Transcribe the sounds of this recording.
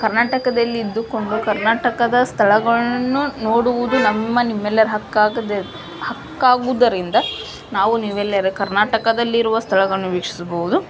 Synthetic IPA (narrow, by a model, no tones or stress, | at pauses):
kɐɾnaːʈɐkɐd̪ɐlːiːd̪ːuko̞ɳɖukɐɾnaːʈɐkɐd̪ɐst̪ʰɐɭɐɡɐɭɐnːuno̞ːɽuʋud̪unɐmːɐnimːɛlːɐɾɦɐkːaːd̪e | hɐkːaːɡud̪ɐɾind̪ɐ | naːʋuniːʋɛlːɐɾekɐɾnaːʈɐkɐd̪ɐlːiiɾuʋɐst̪ʰɐɭɐɡɐɭɐnːuʋiːkʂi̥sɐboʋud̪u